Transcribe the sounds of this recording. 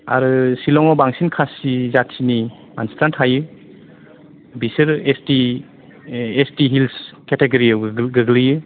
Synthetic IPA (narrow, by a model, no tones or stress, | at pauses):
a̰ɾɯsilɔŋɔbaŋsinkʰasizatsini | manstantʰajɯ | bisɯɾesti | estiɦilsketeɡaɾiawɡɯɡlijɯ